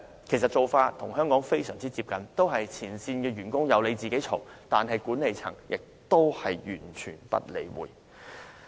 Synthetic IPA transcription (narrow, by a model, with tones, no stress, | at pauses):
kʰe˨˩js̬ɐ˨t̚t͡so˨wfaː˧t̪ʰʊ˨˩ŋɦœː˥ŋkɔː˨˥ŋfe˥jsœː˨˩ŋt͡siː˥t͡siː˧p̚kɐ˨nt̪o˥wɦɐ˨jt͡sʰiː˨˩nsiː˧nkɛː˧ɥyː˨˩nkʊ˥ŋjɐ˨˧wle˨˧jt͡siː˨ke˨˥jt͡sʰo˨˩wt̪aː˨nɦɐ˨jkuː˨˥ne˨jt͡sʰɐ˨˩ŋjɪ˨k̚t̪o˥whɐ˨jjyː˨˩nt͡ʃʰyː˨˩npɐ̰˥t̚lḛ˨˩jwṵː˨˩j